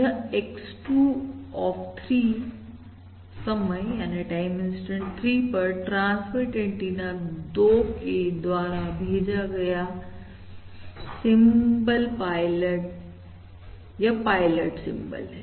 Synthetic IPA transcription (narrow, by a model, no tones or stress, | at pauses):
aeksʈuɔːft̪ʰɾiː | sɐməɛːneʈaːɪmɪ̃nsʈə̃ɳʈt̪ʰɾiːpɐɾʈɾãːnsfəɾʈẽɳʈinãd̪oːkʰed̪waːɾabʱeːd͡ʑaɡɐja | sɪ̃mbəlpaːɪləʈ̚ | japaːɪləʈsɪ̰̃mbə̰lɦɛː